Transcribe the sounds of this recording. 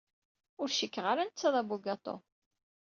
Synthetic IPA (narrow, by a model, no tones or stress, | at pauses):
ʊɾʃəkːəʁaɾant͡sːɑðˤɑbuɡɑt̪ˤo̰